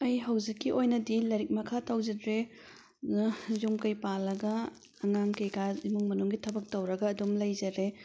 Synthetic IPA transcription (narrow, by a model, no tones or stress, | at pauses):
ɐjɦɐwd͡ʒikːiʔojnɐdilɐjɾik̚mɐkʰatawd͡ʒɐdɾe | jumkɐjpalːɐɡɐː | ŋaŋkejkaimuŋmɐnuŋɡitʰɐbɐk̚tɐwɾɐɡɐːdumlɐjzɐɾe